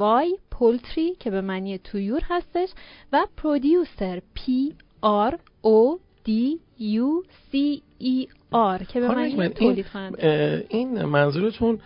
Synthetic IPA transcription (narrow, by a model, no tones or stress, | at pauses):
ɒːjpʰolt̪ʰɾicʰe̞be̞mæniːet̪ʰujuːɾhæst̪e̞ʃvæpʰɾod̪juse̞ɾpʰi | ɑɾ | o | d̪̥i | jusiː | ɒɾcʰe̞bemænint̪ʰoːliːd̪̥̚kʰonæninmænzuɾet̪ʰun